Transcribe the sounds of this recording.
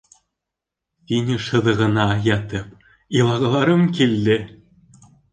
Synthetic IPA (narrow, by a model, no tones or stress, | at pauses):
t̪inʲɘ̆ʃɤ̆d̪ɤ̆ɣɤ̆nɑjɑt̪ɤ̆p | ilˠɑɣɤ̆lˠɑɾɤ̆mkilʲːɘ̆